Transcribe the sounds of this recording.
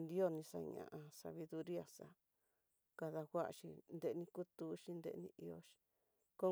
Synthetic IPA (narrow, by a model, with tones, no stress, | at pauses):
nd̪i˦o˦˧nĩ˧sa̰˧ɲã̰˨ʔã˧sa̰˧βi˧ðu˧ɾi˦a˨sa̰˧ | ka˧ða˧ɣʷa˦ʔʃi˧nd̪e˧nĩ˧ku˦t̪u˧˦ʃi˧nd̪ḛ˧nĩ˧ʔi˧o̰˧ʃi̥˧ | ko˦